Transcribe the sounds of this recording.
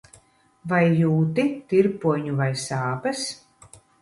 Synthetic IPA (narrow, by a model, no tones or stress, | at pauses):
vajːuːt̪it̪iɾpuɔɲuvajsaːpɐs